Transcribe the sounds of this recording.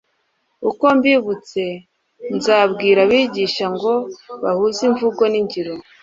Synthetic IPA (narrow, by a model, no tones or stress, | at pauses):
uko̞mbiβut͡se̞ | nzaːβɡiːɾaβiːɟiːʃaŋɡo̞βa̰huziɱvuɡo̞niɲɟiɾo